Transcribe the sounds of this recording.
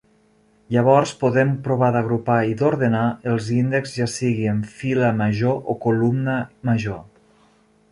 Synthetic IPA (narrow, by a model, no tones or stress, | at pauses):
jʎəβɔɾspuðɛmpɾuβ̞aðəɣɾupaid̪uɾðənaəlˠzind̪əkzʒasiɣiəɱfiləməʒoʔokulumnəməʒo